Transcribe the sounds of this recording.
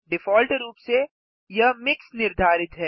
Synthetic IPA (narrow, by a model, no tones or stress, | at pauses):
ɖɪfɔːlʈɾuːpse | jɐmɪksnɪɾd̪ʱaːɾɪt̪ɦɛː